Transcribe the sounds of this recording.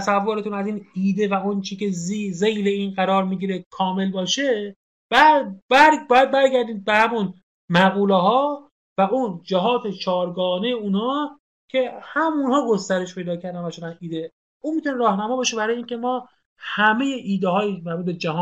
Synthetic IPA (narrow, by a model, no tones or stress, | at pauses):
sævːoɾet̪ʰuːnæziːniːd̪e̞væont͡ʃʰice̞zize̞jleiːnɢæɾɒːɾmiːɟiːɾekʰɒːme̞lbɒːʃe̞ | bæbæbɒːjæd̪̚bæɾɡæɾd̪iːd̪̚behæmun | mæɣuːleɦɒː | væʔuːnd͡ʒæɦɒːt̪ʰe̞t͡ʃʰɒːɾɡɒːne̞jeunhɒː | kʰe̞hæmunhɒːɡo̞st̪æɾe̞ʃpʰe̞jd̪ɒːcʰæɾd̪ænvæt͡ʃoɾænʔiːd̪e | uːnmit̪ʰuneɾɒːhnæmɒːbɒːʃebæɾɒːjiːncʲʰe̞mɒː | hæme̞je̞ʔiːd̪eɦɒːjimæbuːt̪bed͡ʒæhɒː